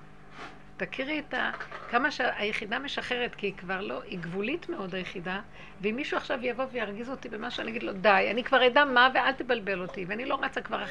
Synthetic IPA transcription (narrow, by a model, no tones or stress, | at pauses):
t̪akʰiʁitakamaʃeajeχidame̞ʃaχe̞ʁet̪kiikvaʁlo̞ʔiɡvulitmeo̞dhajeχida | veimːiʃuaχʃavjavo̞vejaʁɡizo̞tibemaʃuaniaɡid̪lo̞dajanikvaʁejdamaveʔalt̪ebalbe̞lotiveanilo̞ʁat͡sakvaʁa